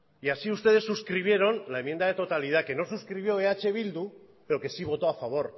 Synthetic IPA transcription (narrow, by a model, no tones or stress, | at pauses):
iasiust̪e̞ð̞e̞sːuskɾiβ̞je̞ɾo̞nlae̞mːjend̪aðe̞t̪o̞t̪alið̞ake̞no̞suskɾiβjo̞eat͡ʃe̞β̞ild̪u | pe̞ɾo̞ke̞siβ̞o̞t̪o̞afaβ̞o̞ɾ